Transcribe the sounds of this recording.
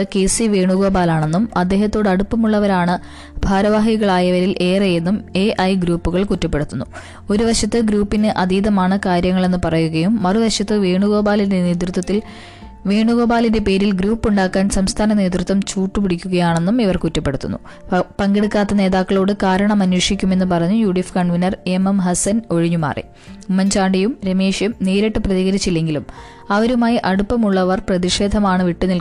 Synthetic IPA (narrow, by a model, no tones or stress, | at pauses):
ke̞siʋe̞ːɳuɣo̞ːbaːlaːɳe̞nːumɐd̪ːe̞ːɦɐt̪ːo̞ːɽɨɐɽupːɐmuɭːɐʋɐɾaːɳɨ | bʱaːɾɐʋaːɦiɣɐɭaːjɐʋɐɾilʔe̞ːrejenːume̞ːʔɐjɡɾuːpːuɣɐɭkutːɐpːe̞ɽut̪ːunːu | o̞ɾuʋɐʂɐt̪ːɨɡɾuːpːinɨʔɐd̪iːðɐmaːɳɨkaːɾjɐŋːɐɭe̞nːɨpɐrɐjuɣɐjumːɐriʋɐʂɐt̪ːɨʋe̞ːɳuɣo̞ːbaːlinde̞ne̞ːt̪rut̪ːwɐt̪ːil | ʋeːɳuɣo̞ːbaːlinde̞pe̞ːɾilɡɾuːpːuɳɖaːkːaːnsɐmst̪ʰaːnɐne̞ːt̪rut̪ʋɐmt͡ɕuːʈːupiɽikʲːuɣɐjaːɳe̞nːumiʋɐrkutːɐpːe̞ɽut̪ːṵnːṵ | pɐŋɡeɽukːaːt̪ːɐne̞ːðaːkːɐɭo̞ːɽɨkaːɾɐɳɐmɐnwiːʂikʲːume̞nːɨpɐrɐɲːujuːɽifkɐɳʋinɐre̞mɐmɦɐsɐno̞ɻiɲːuma̰ːrʔḭ | umɐɲt͡ɕaːɳɖijumɾemeːʂjumniːɾeʈːɨprɐðiɣɐɾit͡ɕːilːe̞ŋɡilum | ɐʋɐɾumaːjiʔɐɽupːɐmuɭːɐʋɐrprɐðiʂe̞ːd̪ʱɐmaːɳɨʋiʈːunilk